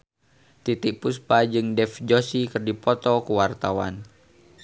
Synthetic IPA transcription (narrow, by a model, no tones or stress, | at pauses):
t̪it̪ik̚puspad͡ʒɨŋdɛfd͡ʒosikɨrdipɔt̪ɔkuwart̪awa̰n